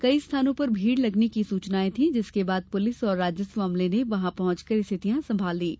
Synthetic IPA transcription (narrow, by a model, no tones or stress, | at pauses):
kɐist̪ʰaːnõpɐɾbʱiːɽlɐɡnekisuːt͡ʃnaːẽt̪ʰĩd͡ʒɪskebaːd̪̚pʊlɪsɔːɾːaːd͡ʒjəsʋaːmleneʋɐɦãpɐɦʊ̃t͡ʃkəɾɪst̪ʰɪt̪ijãsɐ̃mbʱaːld̪iː